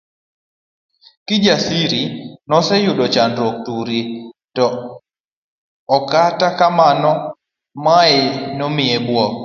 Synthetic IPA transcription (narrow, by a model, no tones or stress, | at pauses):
kɪd͡ʒasiɾinɔsɛjʊɗɔt͡ʃandɾok̚tuɾitɔ | katakamanɔ | maenɔmɪebwɔ